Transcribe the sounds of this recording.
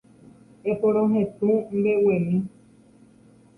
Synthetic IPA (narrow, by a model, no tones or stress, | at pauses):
epoɾ̃õɦẽt̪ũm̩bewemĩ